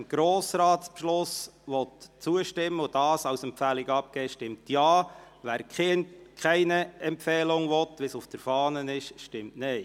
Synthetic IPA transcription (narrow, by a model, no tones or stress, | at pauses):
ɪmɡ̥ɾoːsɾɑːtspʃlʊsʋɔtt͡suəʃtɪmːəʊd̥ɑːsɑʊsɛmpfæːliɡəɑp̚kɛːʃtɪmtjɑː | ʋæːɾkχɪntkʰχɛɪnəɛmpfɛːlʊŋʋɔtʋɪsʊfd̥əɾfɑːnənɪʃʃtɪmtnɛɪ